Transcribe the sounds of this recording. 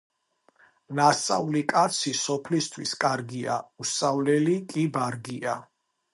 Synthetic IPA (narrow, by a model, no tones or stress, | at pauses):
nast̪sʼa̰ulikʼat̪sʰisɔpʰlist̪ʰwiskʼaɾɡia̰usʼavlɛlikʼibaɾɡia